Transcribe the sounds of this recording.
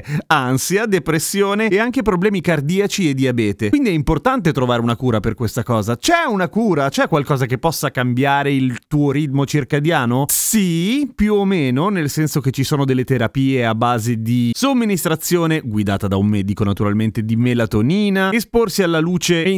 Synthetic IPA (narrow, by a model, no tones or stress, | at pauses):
ansjad̪epɾesːjoːneːaŋkepɾoblɛːmikard̪iːat͡ʃied̪iabɛːt̪ewind̪iɛimport̪ant̪̬et̪ɾovaːɾeunakuːɾaperkwest̪akɔːzat͡ʃɛunakuːɾat͡ʃɛkːwalkɔːzakepːɔsːakambjaːɾeilt̪uːoɾit̪mot͡ʃirkad̪jaːnosipjuomeːnonelsɛnsok̟et͡ʃːisoːnod̪elːet̪eɾapiːeabːaːzed̪isomːinist̪ɾat̪sːjoːneɡwid̪a̰ːt̪ad̪aumːɛːd̪ikonat̪uɾalment̪ed̪imelat̪oniːnaesporsialːaluːt͡ʃe